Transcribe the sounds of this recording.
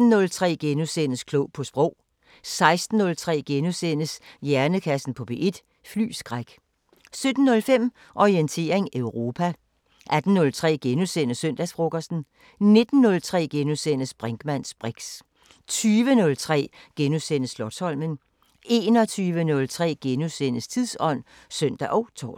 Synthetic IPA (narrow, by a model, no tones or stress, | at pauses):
n̩ːɔ̽lt͡sʰʁɛ̰ːɡ̥enusenəskʰlɔʊ̰pʰɒ̽sb̥ʁɔ̽ʊ̰ | sɑ̈ɪsd̥n̩ːɔ̽lt͡sʰʁɛ̰ːɡ̥enusen̰əsjæɐnəkʰæsn̩pʰɒ̽b̥e̝ʔe̝d̥ | fly̰ːsɡ̥ʁaɡ̥ | sød̥n̩ːɔ̽lfem̰ | ʔɒient͡sʰe̝̰ːɐʁeŋøʊʁo̝ːpʰæ | ʔæd̥n̩ːɔ̽lt͡sʰʁɛ̰ːɡ̥enusen̰əsøn̰d̥æsfʁo̝ɡ̥ɐsn̩ | ne̝d̥n̩ːɔ̽lt͡sʰʁɛ̰ːɡ̥enusen̰əsb̥ʁaŋɡ̥mæn̰sb̥ʁeɡ̥s | t͡sʰyːʋənɔ̽lt͡sʰʁɛ̰ːɡ̥enusenəslɒ̽d̥shɒ̽l̰mən | e̝ːnɒ̽t͡sʰyːʋənɔ̽lt͡sʰʁɛ̰ːɡ̥enusen̰əst͡sʰiðˠsɒ̽n̰ | søn̰d̥æʔɒ̽ʊt͡sʰɒ̰ːs